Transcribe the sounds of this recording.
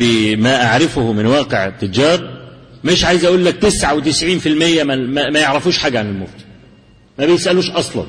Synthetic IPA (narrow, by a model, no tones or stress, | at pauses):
imæʔaʕɾɪfʊhʊmɪnwɑːqeʕt̪ːɪd͡ʒɑːɾˤmɪʃʕaːjzʔæʔuːlːæk̚t̪ɪsʕawt̪ɪsʕiːnfilmɪjːæmæmæmæjeʕɾæfuːʃħaːɡæʕanɪlmʊft̪i̥ | mæbɪjɪsʔæluːʃʔɑsˤlɑ̰n